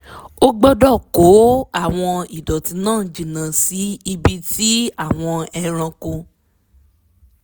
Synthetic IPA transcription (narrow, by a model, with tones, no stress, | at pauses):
o˦ɡ͡bɔ˦dɔ˦˨ko˨˦a˦˨w̃ɔ̃˧i˨dɔ˨ti˧nãː˦˨d͡ʒĩ˨nã˨si˨˦i˧bi˧ti˦a˦˨w̃ɔ̃˧ɛ˧ɾ̃ã˧ko˧